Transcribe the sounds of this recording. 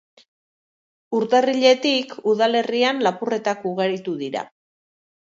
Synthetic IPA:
uɾt̪ariʎe̞t̪ikuðale̞rianlapure̞t̪akuɣe̞ɾit̪uðiɾa̰

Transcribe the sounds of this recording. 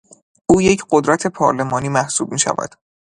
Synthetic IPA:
ʔuːje̞cʰɢod̪ɾæt̪ʰe̞pʰɒ̰ɾle̞mɒːniːmæhsuːb̚miːʃæ̰væ̰d̪̥

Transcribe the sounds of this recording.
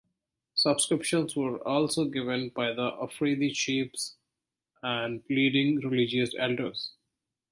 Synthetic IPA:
sʌbskɾɪpʃə̃nsʋəɾɔːlsoːɡɪʋə̃nbaɪd̪əʔəfɾeːd̪it͡ʃiːps | æ̃ɳɖpliːɖɪ̃ŋɾɪlɪd͡ʒiəsɛlɖəɾz̥

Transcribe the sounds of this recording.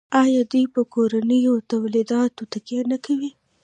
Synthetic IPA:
ɑjɑd̪ujpəkoɾanəjot̪awlid̪ɑt̪ot̪akjanakawi

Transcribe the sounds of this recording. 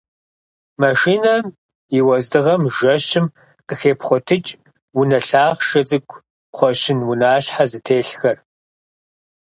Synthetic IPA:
mɐʂiːnɐm | iwɐzdɨʁɐmʒɐʃɪm | qəxeːpʰχʷɔtʰɨt͡ʃʼ | wʊnɐɬaːʁʃɐt͡sʼɨkʷʰʼ | qʷɔɕɪnwʊnaːɕħazɨtʰeːɬxɐr

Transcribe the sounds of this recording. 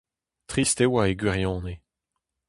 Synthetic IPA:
t̪χist̪ewaeɡwiʁjɑ̃ːne

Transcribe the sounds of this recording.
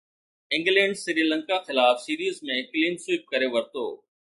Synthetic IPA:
ɪ̃ŋɡlẽːɳɖsɪɾiːlə̃ŋkaxɪlaːfsiːɾiːzmẽːkliːnsiːp̚kəɾeʋəɾt̪o̰ː

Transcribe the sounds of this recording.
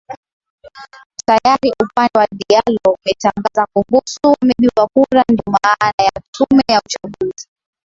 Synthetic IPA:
tajaɾiʔupandɛwaɗialɔumɛtaŋɡazakumbusuwamɛɗiakuɾandɔmanajatʰumɛjaut͡ʃaɠuzi

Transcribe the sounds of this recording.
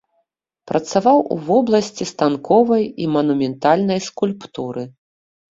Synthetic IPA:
pɾɐt̪savawʔṵvɔblˠɐsʲt͡sʲist̪ankɔvɐjimɐnumʲɛnt̪alʲnɐjskulʲpt̪uɾɨ

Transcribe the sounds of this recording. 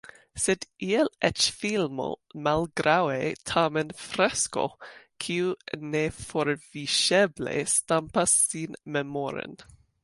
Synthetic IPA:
sɛd̪ʔiɛlɛt͡ʃfilmo̰malɡɾawet̪ʰaːmənfɾɛsko̰kʰiunefɔɾviʃɛblḛst̪ampasːiːnmɛmoɾə̰n

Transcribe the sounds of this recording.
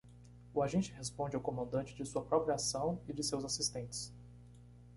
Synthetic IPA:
ʊaʒẽt͡ʃɪhespõd͡ʒɪawkõmɐ̃nd̪ɐ̃t͡ʃɪd͡ʒɪsuɐpɾɔpɾiasɐ̃w̃ɪd͡ʒɪsewzasist̪ẽt͡ʃɪ̥s

